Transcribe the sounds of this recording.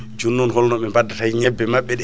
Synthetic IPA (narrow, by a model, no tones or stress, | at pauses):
d͡ʒunːɔnhɔlnɔɓɛmbadatajɲɛbːɛmaɓːɛɗɛ